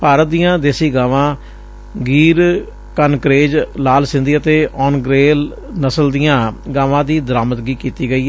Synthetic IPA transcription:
paːɾət̪̚d̪ijãːd̪eːsiːɡaːʋãː | ɡiːɾ | kənkɾeːd͡ʒlaːlsɪ̃nd̪iːət̪eːʔɔːnɡɾeːl | nəsəld̪ijãːɡaːʋãːd̪iːd̪əɾaːməd̪ɡiːkiːt̪iːɡəiː

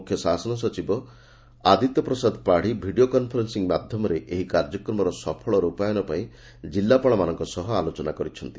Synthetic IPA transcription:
kʰːjɔsasɔnɔsɔt͡ʃibɔ | ad̪ʱit̪ɔpɾɔsad̪ʱpaɽ̤ibʱiɖiokɔnpʰɔɾensiŋmad̪ʱjɔmɔɾeʔeɦikaɾd͡ʒɔkɾɔmɔɾɔsɔpʰɔɭɔɾupajɔnɔpaĩ | d͡ʒilːapɔɭɔmanɔŋkɔsɔɦɔalot͡ʃɔnakɔɾit͡ʃʰɔnt̪i

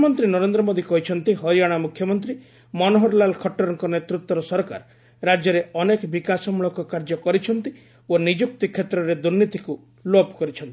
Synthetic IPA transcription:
mɔnt̪ɾinɔɾend̪ɾɔmod̪ikɔɦit͡ʃʰɔnt̪iɦɔɾijaɽ̃amukʰːjɔmɔnt̪ɾi | mɔnɔɦɔɾlalkʰɔʈːɔɾɔŋkɔnet̪ɾut̪wɔɾɔsɔɾɔka̰ɾ | ɾad͡ʒjɔɾeɔnekɔbikasɔmuɭɔkɔkaɾd͡ʒɔkɔɾit͡ʃʰɔnt̪i | onid͡ʒuk̚t̪ikʰːet̪ɾɔɾed̪uɾnit̪iku | lopkɔɾit͡ʃʰɔnt̪i̥

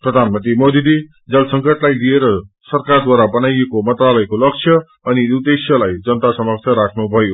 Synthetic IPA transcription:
prʌd̪ʱanmʌnt̪rimod̪id̪i | d͡zʌlsʌŋkʌʈlajlieɾʌ | sʌrkard̪waɾabʌnajekomʌnt̪ralʌjkolʌk̚t͡sʰjʌ | ʌniud̪esjʌlajd͡zʌnt̪asʌmʌk̚t͡sʰʌɾakʰnubʱʌjo

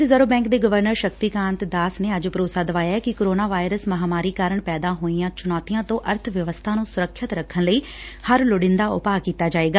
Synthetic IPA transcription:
ɾɪzəɾoːbɛ̃ːŋkd̪eːɡəʋəɾnəɾʃəkt̪iːkãːnt̪d̪aːsneːəd͡ʒpəɾoːsaːd̪əʋaːjaːɛːkɪkoːɾoːnaːʋaːɪɾəsməɦaːmaːɾiːkaːɾəɳpɛːd̪aːɦoːiːãːt͡ʃʊnɔːt̪ijãːt̪õːʔəɾt̪ʰʋjəʋəst̪ʰaːnũːsʊɾəkʰʃət̪ɾəkʰːənləiː | həɾlʊɽɪnd̪aːʊ̰paːkiːt̪aːd͡ʒaːeːɡaː

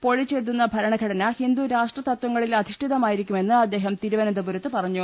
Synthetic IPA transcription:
po̞ɻit͡ɕːe̞ːɻt̪ːunːɐbʱɐɾɐɳɐɡʱɐɽɐnɐhind̪uɾaːʂʈrɐt̪ɐt̪wɐŋːɐɭilɐd̪ʱiʂʈiðɐmaːjiɾikʲːume̞nːɨɐd̪ːe̞ːɦɐmt̪iɾuʋɐnɐnd̪ɐbuɾɐt̪ːɨpɐrɐɲːu

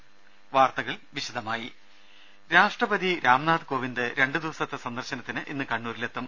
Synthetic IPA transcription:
ʋaːrt̪ɐɣɐɭʋiɕud̪ʱɐmaːji | ɾaːʂʈrɐbɐd̪iɾaːmnaːd̪ko̞ːʋind̪ɨɾe̞ɳɖɨd̪iʋɐsɐt̪ːesɐnd̪ɐrɕɐnɐt̪ːinɨʔinːɨkɐɳːuːɾilet̪ːɐm

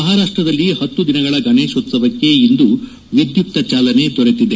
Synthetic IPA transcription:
mɐɦaːɾaːʂʈɾɐd̪ɐlːihɐt̪ːud̪inɐɡɐɭɐɡɐneːʂoːt̪ːsɐbʱɐkːe̞ind̪u | ʋid̪jup̚t̪ɐt͡ʃaːlɐne̞d̪ɔɾet̪id̪e

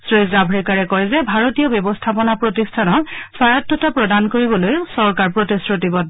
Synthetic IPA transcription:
sɹezabʱɹɛkaɹɛkɔjzɛbʱaɹotijɔbjɔbɔstʰapɔnapɹotistʰanɔsaɹatːɔtapɹɔdankoɹibɔlojsɔɹkaɹpɹotisɹotibɔd

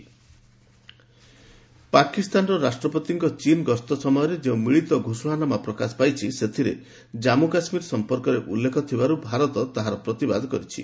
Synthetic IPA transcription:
pakist̪anɾɔɾasʈɾɔpɔt̪iŋkɔt͡ʃinɡɔst̪ɔsɔmɔjɔɾed͡ʒeũmiɭit̪ɔɡʱusɔɽ̃anamapɾɔkasɔ̥pajt͡ʃʰiset̪ʰiɾḛ | d͡ʒamukasmiɾɔsɔmpɔɾkɔɾeʔulːekʰɔt̪ʰibaɾubʱaɾɔt̪ɔt̪aɦaɾɔpɾɔt̪iba̰d̪ʱɔkɔɾit͡ʃʰḭ

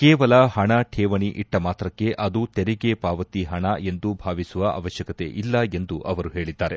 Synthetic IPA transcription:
kɛːʋɐlɐhɐɳɐʈʰeːʋɐɳiʔiʈːɐmaːt̪ɾɐkːe̞ʔɐd̪ut̪eɾiɡepaːʋɐt̪iɦɐɳɐe̞nd̪ubʱaːʋisuʋɐʔɐ̰ʋɐʃjɐkɐt̪e̞̰ʔilːɐe̞nd̪uʔɐʋɐɾuɦeːɭid̪ːaːɾe̞

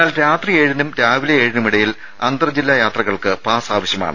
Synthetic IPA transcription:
aːlɾaːt̪rie̞ːɻinumɾaːʋilɐeːɻinumiɽɐjil | ɐnd̪rɐd͡ʑilːajaːt̪rɐɣɐɭkɨpaːsaːʋɐɕjɐma̰ːɳɨ

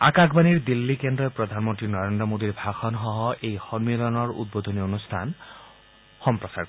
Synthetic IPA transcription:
a̰kakʰbaniɹd̪ilːikend̪ɾɔjpɹɔd̪ʱanmɔnt̪ɹinɔɾend̪ɾɔmod̪iɹbʱaxʰɔnɦɔɦɔʔejxɔnmilɔnɔɹṵd̪̚bod̪ʱonionust̪ʰa̰n | xɔmpɹɔsa̰ɹ

